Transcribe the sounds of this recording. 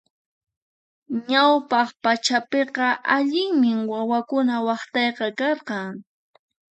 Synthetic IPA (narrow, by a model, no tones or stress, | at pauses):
ɲawpɑχpat͡ʃapeqɑʔaʎɪŋmɪwawakʊnawɑχt̪ɑjqɑkɑɾqɑŋ